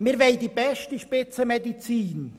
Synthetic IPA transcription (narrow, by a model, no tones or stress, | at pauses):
miːɐveɪdiːbɛʃtəʃpɪt͡səmedit͡siːn